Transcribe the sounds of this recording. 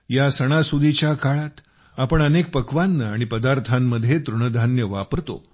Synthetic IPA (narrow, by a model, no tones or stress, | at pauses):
jasəɽ̃asud̪ʱit͡ɕjakaɭat̪ | apəɳənek̚pəkʋanːəaɽ̃ipəd̪aɾt̪ʰamːəd̪ʱːjet̪ɾuɳ̃əd̪ʱanjəʋapəɾt̪o̰